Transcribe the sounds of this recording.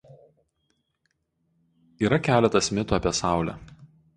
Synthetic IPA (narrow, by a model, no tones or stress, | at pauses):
iːɾɐkʲæːlʲɛt̪ɐsmʲɪt̪uɐpʲiɛsɑˑʊlʲæ̰ːˑ